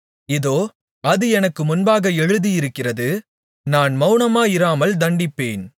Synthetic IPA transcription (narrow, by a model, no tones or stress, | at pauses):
ɪðoː | ɐðɯɛnɐkːɯmʊnbaːɣɐɛɻɯðijɪɾɯkːɪrɐðɯ | naːnmɐʊnɐmaːjɪɾaːmɐld̪ɐɳɖɪpːeːn